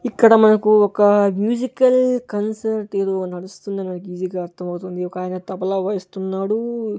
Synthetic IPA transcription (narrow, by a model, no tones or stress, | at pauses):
ikːɐɽɐmɐnɐkuɔkɐmjuːd͡ʒikɐlkɐnsɐɾʈeːd̪oːnɐɽust̪und̪ɐnimɐnɐk̬uiːd͡ʒiːɡaːɐɾt̪ʰɐmɐwt̪und̪iɔkaːjɐnɐt̪ɐpɐlɐːʋɐjist̪unːaːɽu